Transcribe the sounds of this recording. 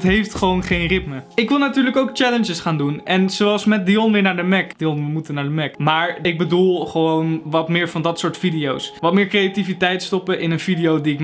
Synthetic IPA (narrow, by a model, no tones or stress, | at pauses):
tɦejftχəʋownχejnrɪtməɪkʋɪlˠnatyːɹləkowk̚t͡ʃɛlənd͡ʒəsχaːndunɛnzowɑlˠsmɛt̚diɔnʋɪːɹnaːɹdəmɛkd̥iɔnʋəmutənaːɹdəmɛkmaːɹɪɡ̚bədulˠχəʋownʋɑtmɪːɹvɑndɑtsʊːɹtfidiowsʋɑtmɪːɹkrejativitɛjtstɔpəʔɪnənvidijowdiɪk